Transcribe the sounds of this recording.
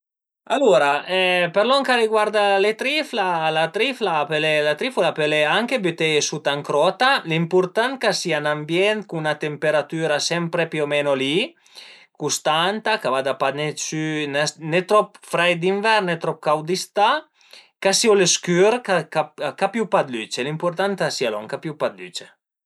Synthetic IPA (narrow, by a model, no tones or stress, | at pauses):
aloɾaʔɛpeɾlɔŋkaɾiɡwaɾd̪alet̪ɾiflalat̪ɾiflapelelat̪ɾifulapeleaŋkebet̪eesut̪aŋkɾɔt̪alimpuɾt̪ankasianambjɛnt̪̚kunat̪empeɾat̪yɾasɛmpɾepiomɛnoli | kust̪ant̪akavad̪apanesynenet̪ɾɔpfɾajd̪iɱvɛɾnet̪ɾɔp̚kawd̪ist̪a | kasioleskyɾkakap̚kapjupad̪lyt͡ʃelimpuɾt̪ant̪asialɔ̰ŋkapjupad̪ly̰t͡ʃe